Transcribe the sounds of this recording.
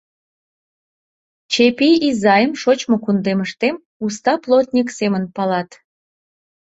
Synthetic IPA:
t͡ɕepiizɑjəmʃot͡ɕmokund̪eməʃt̪em | ust̪ɑplˠot̪nʲiksemənpɑlɑt̪

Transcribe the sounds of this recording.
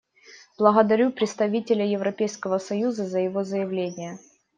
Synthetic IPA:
b̥lˠəɣəd̪ɐɾʲupɾʲɪt̪st̪ɐvʲitʲɪlʲəjɪvɾɐpʲejskəvəsɐjuzəzəjɪvo̞zəjɪvlʲenʲɪjə

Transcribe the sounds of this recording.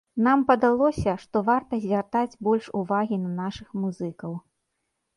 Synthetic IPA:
nampɐd̪alˠɔsʲɐʂt̪ɔvart̪ɐzʲvʲart̪ad͡zʲbɔlʲʂuvaɣʲinɐnaʂɨxmuzɨkɐw

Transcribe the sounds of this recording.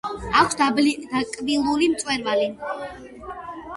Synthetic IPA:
akʰsd̪ald̪akʼbilˠulimt̪sʼwɛɾvali

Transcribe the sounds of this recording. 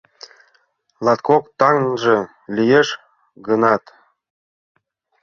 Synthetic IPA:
lˠɑt̪kokt̪ɑŋnʒĕ | lʲijeʃ | ɡənɑt̪

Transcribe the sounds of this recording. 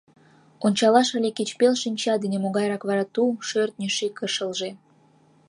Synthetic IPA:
onʲt͡ɕɑlɑʃəlʲeket͡ɕpelʃinʲt͡ɕɑd̪inemoɣɑjɾɑkβɑɾɑt̪uʃørt̪̚nʲeʃekəʃəlʒe

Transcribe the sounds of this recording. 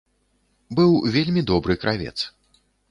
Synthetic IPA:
bɨwvʲelʲmʲid̪ɔbɾɨkɾʔavʲɛ̰t̪s

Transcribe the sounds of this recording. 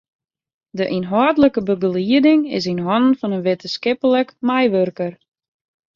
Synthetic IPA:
dəʔinɦɔːdələkəbəɡəliədɪŋɪ̰s̬inɦɔnən̩fɔnənʋetəskɪpələkmɛjʋørkər

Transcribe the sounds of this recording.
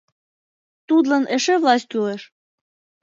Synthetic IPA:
t̪ud̪lɑnʔeʃĕvlˠɑst̪̚ʲkyleʃ

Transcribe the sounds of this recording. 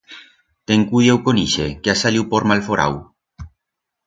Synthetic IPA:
t̪eŋkuðewkoniʃekeasaliwpoɾmalfoɾa̰w

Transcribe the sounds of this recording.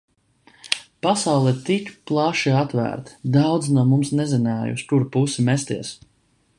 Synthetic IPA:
pasawlˠɛt̪ikʲplˠaʃiat̪væ̰ːɾt̪d̪awd̪znuɔmumsnɛzinaːj̰ṵskuɾpusimɛst̪iɛs

